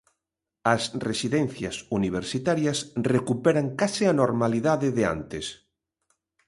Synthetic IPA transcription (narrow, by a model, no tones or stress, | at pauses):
ɐsresiðɛn̟θjɐsuniβ̞eɾsit̪aɾjɐsrekupɛɾaŋkasɪanoɾmaliðaðɪðea̰nt̪es